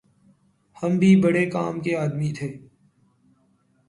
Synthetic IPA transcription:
hɐmbʱibɐɽekaːmkeaːd̪mit̪ʰeː

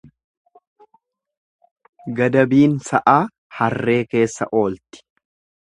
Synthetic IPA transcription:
ɡɐd̪ɐbiːnsɐʔaː | hɐrːe̞ːke̞ːsːɐʔo̞ːlt̪ɪ̥

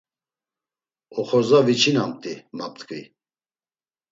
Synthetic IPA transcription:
ɔχɔɾzavit͡ʃʰinamt̪ʼimap̚t̪ʰʼkʰʼvḭ

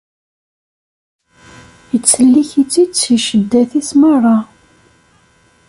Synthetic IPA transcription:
jət͡sːəlːiçit͡sːisiʃəd̪ːæθismərˤːɑ

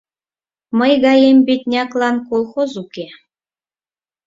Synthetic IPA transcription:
məjɣɑjembit̪̚ʲnʲɑklˠɑnkolˠχozuke

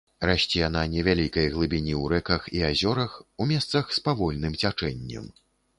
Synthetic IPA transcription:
raɕʲt͡sʲijananʲɛvʲalʲikɐjɐɣlˠɨbʲinʲiwɾɛkɐxiazʲɔɾɐxumʲɛst̪sɐxspavɔlʲnɨmt͡sʲat͡ʂɛnʲːɐ̰m

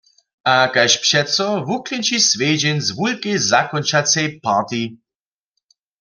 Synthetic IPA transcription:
akajʃpʃɛtsɔvuklɛnt͡ʃisveːd͡ʒɛnzvulkɛjzakɔnt͡ʃat͡sɛjpaːt̪i

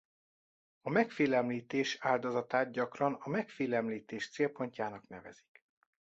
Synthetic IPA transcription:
ɒmɛkfeːlɛmliːt̪eːʃaːld̪ozɒt̪aːt̪̚ɟɒkrɒnɒmɛkfeːlɛmliːt̪eːʃt̪seːlpo̞ɲcaːnɒknɛvɛ̰z̥i̥k

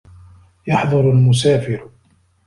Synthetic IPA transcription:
jɑħðˤɑɾalmʊs̬aːfɪɾ

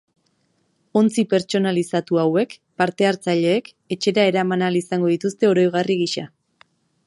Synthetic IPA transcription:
o̞nt͡sipe̞ɾt͡ʃo̞nalisat̪uawe̞kpaɾt̪e̞aɾt͡saʎe̞ːk | e̞t͡ʃe̞ɾae̞ɾamanalisaŋɡo̞ðit̪ust̪e̞o̞ɾo̞jɣ̞ariɣiʃa

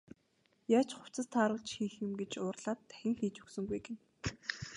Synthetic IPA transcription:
jaːt͡ɕχʊ̥w̥t͡sə̆st̪ʰaːɾə̆ɮt͡ɕxiːxjʊmɡet͡ɕʊːrɮaːt̪ʰːæ̥xʲɪ̆ŋxiːt͡ɕɵ̥ksɵ̆ŋɡujɡen

